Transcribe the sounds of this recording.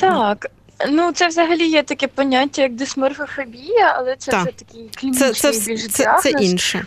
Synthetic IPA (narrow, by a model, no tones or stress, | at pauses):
t̪ɑk | nut̪sɛwzɐɦɐlʲijɛt̪ɐkɛpɔnʲatʲːɐjɐk̚d̪ɪsmɛrfɔfɔbʲijɐɐ̰lˠɛt̪sɛʒɛt̪ɐkʲijklʲinɛt͡ʃ̪ɛɪjʲilʲʒɪasɛninʃɛ